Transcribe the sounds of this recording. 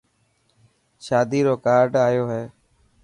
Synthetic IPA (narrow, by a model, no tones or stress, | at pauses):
ʃaːd̪iːɾoːkaːɾɖaːjoːɦeː